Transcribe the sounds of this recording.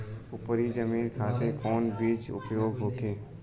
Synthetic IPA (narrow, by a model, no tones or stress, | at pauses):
ʊpəɾid͡ʒəmiːnkʰaːt̪ẽkɔːnbiːt͡ʃʊ̰pjoːɡɦoːkeː